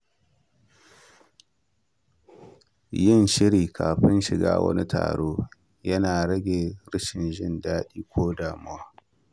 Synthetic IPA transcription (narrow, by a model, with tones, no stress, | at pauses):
jɪ˦˨nʃɪ˦ɾiː˨kʰa̰ː˨ɸɪ˦nʃɪ˨ɡa̰ː˦wɐ̰˦ni˦tʰa̰ː˨ɽoː˦ | jɐ˦naː˨ɽɐ˦ɡʲeː˨ɽɪ˦ʃɪ˨nʒɪ˦ndaː˦ɗiː˦kʷoː˦daː˨mʊ˦waː˦